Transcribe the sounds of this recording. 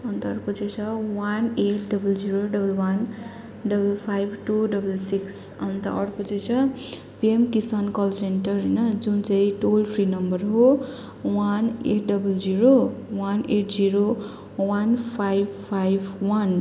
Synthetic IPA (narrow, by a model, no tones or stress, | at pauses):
ʌnt̪ʌrkot͡sʌjt͡sʰʌwaneʈ̚ɖʌbʌld͡ziɾoɖʌbʌlwan | ɖʌbʌlpʰajbʱʈuɖʌbʌlsiks | ʌnt̪a̰ʔʌɽkot͡sʌjt͡sʰʌ | piemkisʌnkʌlsenʈʌrɦʌjnʌd͡zunt͡sãĩʈolpʰrinʌmbʌrɦo | waneʈɖʌbʌld͡ziɾowaneʈd͡ziɾo | wanpʰajbpʰajbʱwan